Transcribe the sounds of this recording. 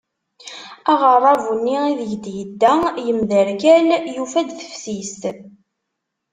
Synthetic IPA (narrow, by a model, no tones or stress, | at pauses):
æʁərˤɑvunːiiðʝd̪jəd̪ːæjəmðəɾkæljufæd̪θə̥fsist̪